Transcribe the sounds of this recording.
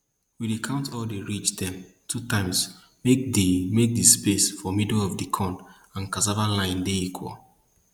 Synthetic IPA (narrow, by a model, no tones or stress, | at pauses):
widikʰãʊ̃ntɔldeɹit͡ʃdɛ̃m | tʰutãɪ̃ms | mek̚demek̚dispesfɔmidlɔvdikʰɔ̃n | ãnkazavãnlãɪ̃ndeikʰwɔ̰l